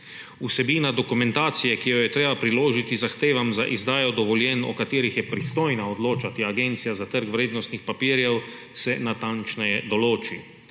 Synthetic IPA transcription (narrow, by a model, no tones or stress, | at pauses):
usɛbiːnad̪ɔkumɛ̃nt̪aːt̪sijɛkijɔjɛt̪ɾeːbapɾiloːʒit̪izaxt̪eːʋamza̰ʔizd̪aːjɔd̪ɔʋɔljɛnɔ̰kat̪iːɾixjɛpɾist̪oːjnaɔd̪loːt͡ʃat̪iaɡent̪sijazat̪əɾkwɾeːd̪nɔst̪nixpapiːɾjɛw | sɛnat̪ant͡ʃnɛjɛd̪ɔloːt͡ʃi